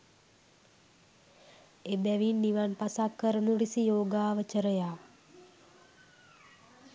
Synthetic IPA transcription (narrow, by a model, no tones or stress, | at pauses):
ebɛʋinːiʋanpasakːəɾənuɾisijoːɡaːʋət͡ʃəɾəjaː